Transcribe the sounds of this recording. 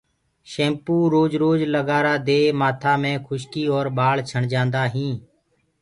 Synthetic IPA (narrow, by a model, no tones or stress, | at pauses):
ʃẽːmpuːɾoːd͡ʒɾoːd͡ʒləɡaːɾaːd̪eːmaːt̪ʰaːmẽːkʰʊʃkiːoːɾɓaːlt͡ʃʰəɳd͡ʒãːnd̪aːɦĩː